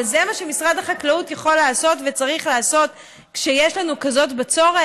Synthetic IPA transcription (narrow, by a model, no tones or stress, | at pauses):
zemaʃemisʁad̪haχaklautjaχo̞lːaːso̞tvet͡saʁiχlaːso̞t | kʃejeʃlanukazo̞tbet͡so̞ʁe